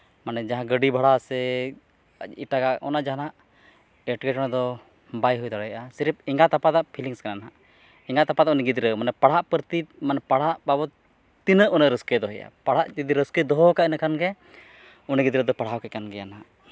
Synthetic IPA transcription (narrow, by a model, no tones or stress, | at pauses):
manɛd͡ʒaɦãɡəɖibʱaɽasɛ | iʈaɡaʔʔɔ̰naʔd͡ʒanaʔ | ɛʈɡɛt͡ʃɔɽ̃ad̪ɔ | bajɦujd̪ɔɽɛjʔasiɾp̚iŋɡat̪apad̪aʔpʰiliŋskananaɦaʔ | iŋɡat̪apad̪aʔuniɡid̪ɾəmanɛpaɽ̤aʔpəɾt̪imanɛpaɽ̤aʔbabɔ | t̪inəʔunəɾəskɛd̪ɔɦɛ̰ja̰paɽ̤aʔd͡ʒid̪iɾəskəd̪ɔɦɔkaʔinakanɡɛ | uniɡid̪ɾəd̪ɔpaɽ̤awkɛkanɡɛjanaʔ